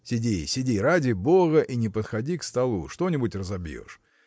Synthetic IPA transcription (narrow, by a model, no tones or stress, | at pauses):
sʲɪdʲisʲɪdʲiɾadʲɪboɣəʔinʲɪpət̪xɐdʲikst̪ɐlˠṵʂt̪o̞nʲɪbʊtʲrəzɐbʲjo̰ʂ